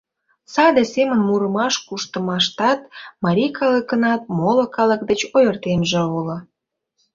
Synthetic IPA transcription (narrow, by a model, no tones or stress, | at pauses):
sɑd̪esemənmuɾəmɑʃkuʃt̪əmɑʃt̪ɑt̪mɑɾʲikɑləkənɑt̪̚molokɑlək̚d̪ət͡ɕojərt̪emʒeolŏ